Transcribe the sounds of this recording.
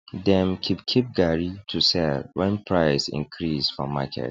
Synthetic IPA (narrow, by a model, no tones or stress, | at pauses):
dɛ̃mkʰip̚kʰip̚ɡaɹitʰusɛlwɛ̃npʰɹaɪsḭ̃nkʰɹisfɔ̰ma̰kʰɛ̰t